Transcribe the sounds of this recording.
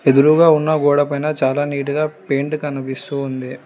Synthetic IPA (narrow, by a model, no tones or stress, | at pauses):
ed̪uɾuɡaːunːɐɡɔːɽɐpɐjnɐt͡ʃaːlaːniːʈ̬uɡaːpeːɳʈkɐnːɐpist̪uːnd̪i